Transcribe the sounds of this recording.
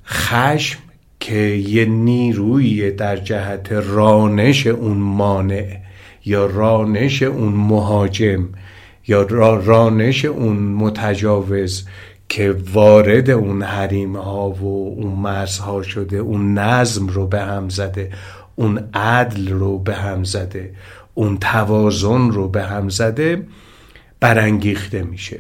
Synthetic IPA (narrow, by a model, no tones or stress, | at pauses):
xæʃm | kʰejeniːɾuːied̪æɾd͡ʒæhæt̪ʰe̞rɒːne̞ʃe̞ʔunmɒːne̞ʔ | jɒːrɒːne̞ʃe̞ʔunmoɦɒːd͡ʒe̞m | jɒːrɒːne̞ʃe̞ʔunmot̪ʰæd͡ʒɒːve̞z | kʰe̞vɒːɾe̞d̪e̞unhæɾiːmhɒːvounmæɾzhɒːʃod̪e̞ʔunːæzmrobe̞hæmzæd̪e̞ | ʔunʔæd̪lɾobe̞ɦæmzæd̪e̞ʔunt̪ʰævɒːzonrobe̞ɦæmzæd̪e̞ | b̥æɾæŋɡiːxt̪e̞miʃḛ